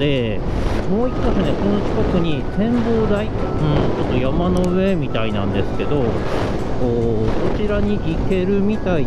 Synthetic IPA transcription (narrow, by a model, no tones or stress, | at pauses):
d̪e̞ | mo̞ːikːasɨne̞ko̞no̞kʲi̥kakɯ̟ɲ̟isẽ̞mbo̞ːd̪ai | ɯ̃t͡ɕo̞t̪ːo̞jamano̞ɯ̟e̞mʲit̪ainãnd̪e̞sɨ̥ke̞d̪o̞ | koːso̞t͡ɕiɾaɲ̟iʔike̞ɾɯ̟mʲit̪ai